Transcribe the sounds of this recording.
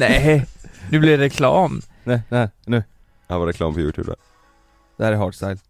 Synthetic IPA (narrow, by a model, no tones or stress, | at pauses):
nɛ | nʉːblɪɖɾɛkʰlɑ̰ːmnɛnɛhnʉː | havaɾɛkʰlɑ̰ːmpʰɔjʉ̰ːt̪ʰʉ̰ːbd̪æ̰ɾ | d̪ɛhæɾɛɦɑːɖst̪ajl